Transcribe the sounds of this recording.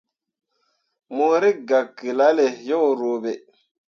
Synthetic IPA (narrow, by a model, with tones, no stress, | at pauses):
moː˨ɾi˦ɡa˨kːi˨la˦le˨jo˦wɾo˨be˨